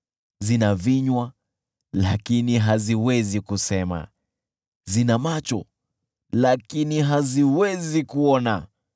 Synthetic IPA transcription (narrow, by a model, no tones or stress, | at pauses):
zinaviɲwa | lakiniɦaziwɛzikusɛma̰ | zinamat͡ʃɔ | lakiniɦaziwɛzikuɔna